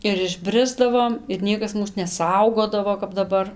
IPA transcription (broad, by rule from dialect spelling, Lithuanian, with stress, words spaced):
ɪr ɪʒʲˈbʲrʲɪzdɐʋoːm ɪr ˈnʲiɛkɐs ˈmuːs nʲɛˈsɐʊɡoːdɐʋoː kɐp dɐˈbɐr